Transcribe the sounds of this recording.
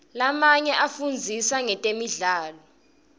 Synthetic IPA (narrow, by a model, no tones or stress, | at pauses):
lamaɲɛʔafund͡zʱisaŋɛtʼemiɮaːlɔ